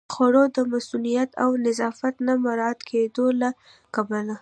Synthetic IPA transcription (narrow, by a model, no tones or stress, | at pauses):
xwaɽod̪əmasulijat̪a̰wnɪzɑfat̪namaɾɑt̪kʰed̪ola | kabala